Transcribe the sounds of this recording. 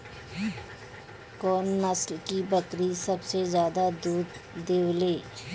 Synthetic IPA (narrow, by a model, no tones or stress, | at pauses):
kɔːnːɐslkibəkɾisɐbsezjaːd̪ad̪uːd̪d̪eːleː